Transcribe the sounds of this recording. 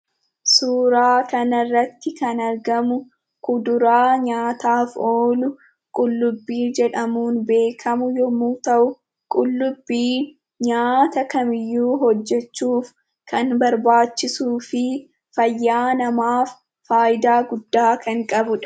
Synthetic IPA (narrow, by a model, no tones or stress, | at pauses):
suːɾaːkɐnɐrːɐt̪ːɪkɐnɐɾɡɐmʊ | kʊd̪ʊɾaːɲaːt̪aːfoːlʊ | kʼʊlːʊbːiːd͡ʒɛᶑɐmuːnbe̞ːkʰɐmʊjɔmuːt̪ɐʔʊ | kʼʊlːʊbːiː | ɲaːt̪ɐkɐmɪjːuːɦɔd͡ʒːɛt͡ʃːuːf | kʰɐnbɐɾbaːt͡ʃːɪsuːfɪ | fɐjːaːnɐmaːfː | aːʔɪd̪aːɡʊd̪ːaːkɐŋkʼɐbʊᶑɐ̥